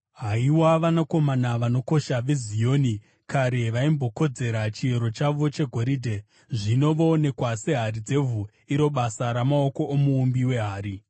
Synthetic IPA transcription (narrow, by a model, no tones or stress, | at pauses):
ɦaiwaʋanako̞manaʋano̞ko̞ʃaʋezijo̞ni | kaɾe̞ʋaimbo̞ko̞d͡ze̞ɾat͡ʃieɾo̞t͡ʃaʋo̞t͡ʃe̞ɡʱo̞ɾiːdʱe̞ | ʐino̞ʋo̞ne̞kwase̞ɦaɾid͡ze̞vu | iɾo̞ɓasaɾamao̞ko̞ʔomuːmbiwe̞ɦaːɾi